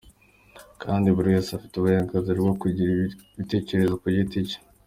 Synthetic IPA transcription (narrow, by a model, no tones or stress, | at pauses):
kʰaːndiβuɾiwesafi̥tuβuheɾaɡaziɾɡokuɟɾβite̞ːce̞ɾe̞zokuɾɟitiɟe̥